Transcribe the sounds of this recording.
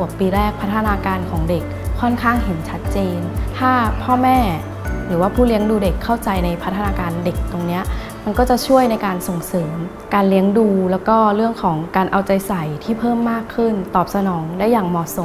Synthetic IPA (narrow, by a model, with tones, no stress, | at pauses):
u˨˩əkpːiː˧ɾɛː˥˩k̚pʰa˦˥t̪ʰːnaː˧kaː˧nkʰɔː˩˦ŋde˨˩k̚ʰː | ɔ˥˩nkʰaː˥˩ŋɦe˩˦nt͡ɕʰa˦˥t̪̚t͡ɕeː˧nt̪ʰaː˥˩pʰɔː˥˩mɛː˥˩ | ɾɯː˩˦waː˥˩pʰuː˥˩li˦əŋduː˧de˨˩kʰːa˥˩wt͡ɕa˧jna˧jpʰt̪ʰːnaː˧kaː˧nde˨˩k̚t̪o˧ŋni˦˥ɐ | ma˧nkɔː˥˩t͡ɕa˨˩t͡ɕʰu˥˩əjna˧jkaː˧nso˨˩ŋsɤː˩˦m | kaː˧nli˦əŋduː˧lɛː˦˥wkɔː˥˩ɾɯ˥˩əŋkʰɔː˩˦ŋkaː˧nʔa˧wt͡ɕa˧jsa˨˩˦jt̪ʰiː˥˩pʰɤː˥˩mːaː˥˩kʰːɯ˥˩nt̪ɔː˨˩p̚sa˧nɔː˩˦ŋdaː˥˩jːaː˨˩ŋmɔː˨˩so˨˩˦